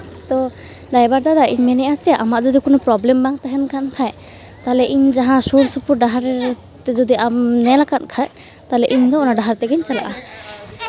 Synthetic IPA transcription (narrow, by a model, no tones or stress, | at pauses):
t̪ɔ | ɖajbaɾd̪ad̪aiɲmɛnɛʔat͡ʃɛʔamaʔd͡ʒɔd̪ikɔnupɾɔblɛmbaŋt̪aɦɛnkʰankʰaj | t̪aɦlɛʔiɲd͡ʒaɦãsoɾsupuɾɖaɦaɾ | t̪ɛd͡ʒɔd̪iʔamnɛlakankʰaj | t̪aɦlɛʔiɲd̪ɔɔnaɖaɦaɾt̪ɛɡɛɲt͡ʃala̰ʔa